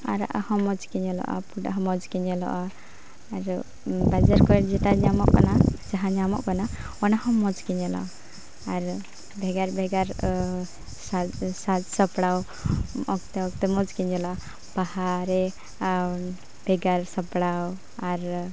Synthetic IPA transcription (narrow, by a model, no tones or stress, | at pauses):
aɾa̰ʔahɔmɔd͡ʒkɛɲɛlɔ̰ʔɔ̰puɖaɦɔmɔd͡ʒkɛɲɛlɔ̰ʔaː | ɾ | bad͡ʒaɾkɔd͡ʒɛʈaɲamɔʔkanad͡ʒaɦãɲamɔ̰ʔkana | ɔnahɔmɔd͡ʒkɛɲɛlɔ̰ʔ | aɾ | bʱɛɡaɾbʱɛɡaɾ | sasad͡ʒsɔpɽaw | ɔk̚t̪ɛɔk̚t̪ɛmɔd͡ʒkɛɲɛlɔʔa | b̥ahaɾɛ | b̥ʱɛɡaɾsɔpɽaw | aɾ